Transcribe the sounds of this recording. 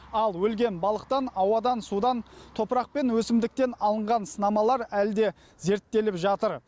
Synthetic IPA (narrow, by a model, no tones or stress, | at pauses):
ɑlˠwɵlɡʲe̞nbɑlˠəqt̪ɑnɑwɑd̪ɑnsud̪ɑnt̪ʰo̞pɾɑq̚pe̞nwɵsɪmd̪ɪk̚t̪e̞nɑlˠəɴʁɑnsənɑmɑlˠɑɾæld̪e̞ | ze̞ɾt̪ːe̞lɪpʒɑt̪əɾ